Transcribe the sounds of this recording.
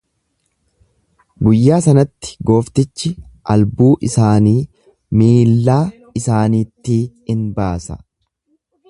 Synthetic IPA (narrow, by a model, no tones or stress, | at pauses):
ɡʊjːaːsɐnɐt̪ːɪ̥ɡo̞ːft̪ɪt͡ʃːɪʔɐlbuːʔɪsaːniː | miːlːaː | ɪsaːniːt̪ːiːɪnbaːsɐ